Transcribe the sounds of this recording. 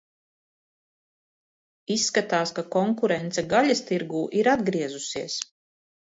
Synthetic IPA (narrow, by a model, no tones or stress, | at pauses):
isːkat̪aːskakɔŋkuɾɛnt̪sɛɡalʲast̪iɾɡuːʔiɾad̪ɡɾiɛzusiɛs